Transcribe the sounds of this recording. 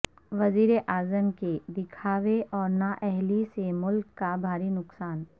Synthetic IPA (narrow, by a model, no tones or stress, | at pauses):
ʋɐziːɾeʔaːzəmked̪ɪkʰaːʋeʔɔːɾnaʔɛɦlisemʊlkːabʱaːɾinʊksaːn